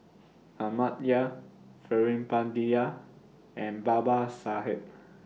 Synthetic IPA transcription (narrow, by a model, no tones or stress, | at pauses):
amat̚ja | fɛɹĩmpãndia | ɛ̃nbabasaɦɛp̚